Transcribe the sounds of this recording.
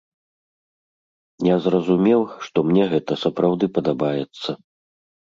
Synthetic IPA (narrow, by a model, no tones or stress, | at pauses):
jazrɐzumʲɛwʂt̪ɔmnʲɛɣɛt̪ɐsɐpɾawd̪ɨpɐd̪abajɛt̪sːɐ